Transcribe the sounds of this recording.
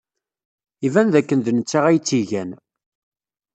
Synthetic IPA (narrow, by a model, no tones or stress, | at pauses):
ivænðækːənd̪ənət͡sːaʁæjt͡sːiʝæn